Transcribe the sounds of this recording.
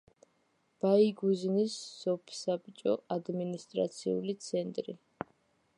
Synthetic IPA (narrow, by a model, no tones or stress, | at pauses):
b̥aiɡuznisːɔpʰsabit͡ʃʼɔʔad̪minist̪ʼɾa̰t̪sʰiṵlit̪sʰɛnt̪ʼɾi